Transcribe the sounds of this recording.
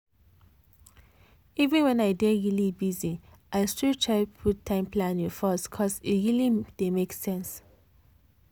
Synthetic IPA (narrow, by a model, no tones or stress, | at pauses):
ivə̃nwɛ̃naɪdɛɹilibizi | ʔaɪstutʰɹaɪpʰutʰːãɪ̃mplãnĩfɔskʰɔsitɹilid̥emeksɛ̃ns